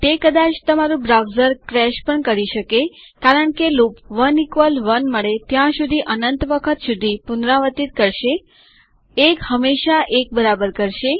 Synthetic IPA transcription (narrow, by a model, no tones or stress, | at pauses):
t̪ekəd̪at͡ʃt̪əmaɾũbɾawzəɾkɾɛʃpəɳkəɾiʃəke | kaɾəɳkelupʋənikʋəlʋənməɭet̪jãʃud̪ʱiʔənənt̪ʋəkʰət̪ʃud̪ʱipunɾaʋət̪it̪̚kəɾʃe | ekhəmːeʃaʔek̚bəɾabəɾkəɾʃe